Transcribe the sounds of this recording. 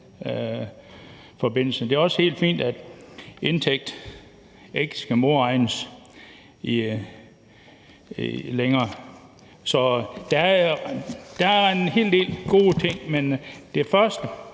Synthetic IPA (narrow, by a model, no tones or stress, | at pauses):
fɒ̽be̝n̰l̩sn̩d̥e̝æɒ̽she̝̰ːld̥fḭːnd̥æd̥e̝nt͡sʰeɡ̥̚d̥ | e̝ɡ̥əsɡ̥æmo̝ɐɑ̈ɪnəs | i | leŋɐː | sɒ̽d̥æ | d̥ɑ̈æenhe̝̰ːld̥e̝̰ːlɡ̥o̝ːt͡sʰe̝ŋ̰mend̥efɶɐsd̥ə